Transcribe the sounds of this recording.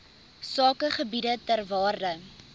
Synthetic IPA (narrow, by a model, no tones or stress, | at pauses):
sɑːkəχəbidətərvɑːrdə